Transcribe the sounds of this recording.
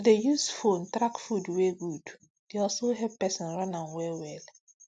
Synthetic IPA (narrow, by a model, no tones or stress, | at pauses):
dejusfõntɾakfudwɛɡud | deɔlsoɦɛvpɛsɔ̃nɹãnãnwɛwɛl